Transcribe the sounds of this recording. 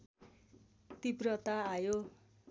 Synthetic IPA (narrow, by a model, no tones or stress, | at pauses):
t̪iprʌt̪aːjo